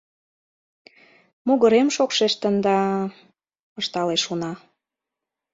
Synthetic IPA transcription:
muɣəɾemʃokʃeʃt̪ə̆nd̪ɑ | əʃt̪ɑleʃunɑ

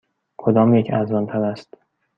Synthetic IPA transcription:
kʰod̪ɒːmjecʰæzɒnt̪ʰælæst̪

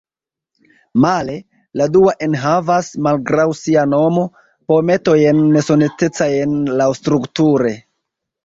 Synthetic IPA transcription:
male̞ | laduaʔenɦavasmalɡɾawsiano̞mo̞ | pome̞to̞je̞nme̞so̞nete̞t͡saje̞nlawstɾuktuɾe̞

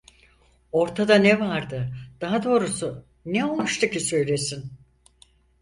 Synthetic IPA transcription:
o̞ɾt̪ʰad̪anɛvaɾd̪ɯd̪̥aɦad̪o̞ːɾusu | nɛo̞lˠmʃt̪ʰucʰisø̞jlʲe̞sin

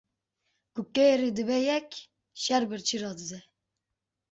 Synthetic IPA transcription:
kukːeɾid̪ɨbɛjɛkʲ | ʃɛɾbɨɾt͡ʃʰiɾɑːd̪ɨd̪ɛ

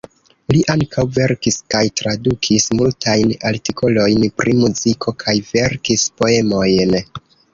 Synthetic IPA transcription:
liʔaŋkʰawve̞ɾkiskajtɾadukʰismultʰajnaltikʰo̞lo̞jnpɾimuzikʰo̞kʰajve̞ɾkispo̞e̞mo̞jn

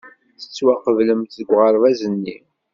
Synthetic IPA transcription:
θə̥t͡sːwæqəvləmt̪əɡʷʁəɾˤvæzənːi

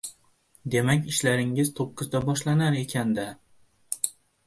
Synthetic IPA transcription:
d̪e̞makʲɪʃlaɾɪŋɪz̥t̪ʰoqʰːɨzd̪abɒʃlanaɾe̞kʲʰand̪a

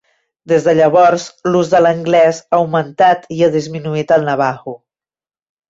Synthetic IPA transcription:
d̪ezðəʎəβɔɾzluzðələŋɡlɛzaəwmənt̪at̪iaðizminuit̪əlˠnəβ̞aɣu

